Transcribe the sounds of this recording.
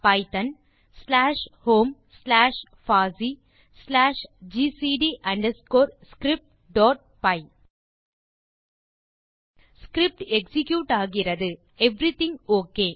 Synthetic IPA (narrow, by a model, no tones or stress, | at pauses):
pɐɪt̪ɐn | slaːʂhoːm | slaːʂ | faːsi | slaːʂd͡ʒiːsiːɖiʔɐɳɖɛskoːɾskɾɪp̚ʈ̚ | ɖɔːʈ̚pɐɪ | skɾɪp̚ʈɛksɪkjuːʈaːɣɪɾɐðɯ | ɛʋɾɪt̪ɪ̃ŋoːkːeː